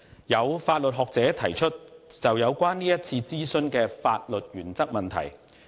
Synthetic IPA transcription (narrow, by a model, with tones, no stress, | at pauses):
jɐ˨˧wfaː˧t̚lɵ˨t̚ɦɔː˨k̚t͡sɛː˨˥t̪ʰɐ˨˩jt͡ʃʰɵ˥t̚t͡sɐ˨wjɐ˨˧wkʷaː˥nːiː˥jɐ˥t̚t͡sʰiː˧t͡siː˥sɵ˧nkɛː˧fa̰ː˧t̚lɵ˨t̚jyː˨˩nt͡sɐ˥k̚mɐ˨nt̪ʰɐ̰˨˩j